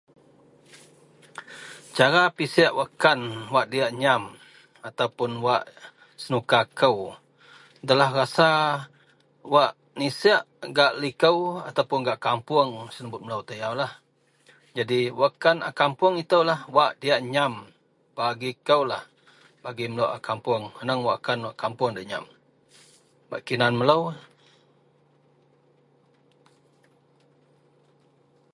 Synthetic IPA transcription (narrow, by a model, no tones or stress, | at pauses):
t͡ʃaɾapisaʔwakanwaʔdiaʔɲam | at̪awpʊnwaʔ | sənukakəw | dalahrasa | waʔ | nisɛaʔɡaʔlikəwa̰t̪awpʊnɡaʔkampʊəŋsənəbʊt̪̚məlawt̪əjawlah | d͡ʒadiwakana̰kampʊŋit̪əwlahwaʔdiaʔɲam | b̥aɡikəwlah | b̥aɡiməlowʔa̰kampʊəŋhənəŋwaʔkanwaʔkampʊŋdiaʔɲa̰m | ba̰ʔkinanmələw